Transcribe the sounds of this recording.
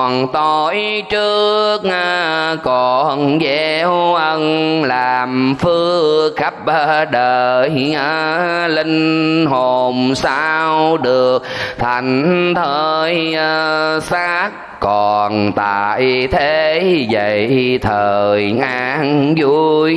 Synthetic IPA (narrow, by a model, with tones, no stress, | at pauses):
nt̪o˧˩jt͡ɕɨ˦˥k̚a˧kɔ˨˩nzɛ˧˦wwʔə˧nlaː˨˩mfɨ˧əəxa˦˥p̚ʔə˧ɗəː˨˩jə˧lï˧ŋ̟ɦo˨˩msa˧wɗɨ˨˩əək̚t̪ʰa˨˩jŋ̟˧t̪ʰəː˨˧˩jə˧sa˦˥k̚ | kɔ˨˩nt̪aː˨˩jt̪ʰe˧zə̰˧˨˩jjt̪ʰəː˨˩jʔa˧nzu˧j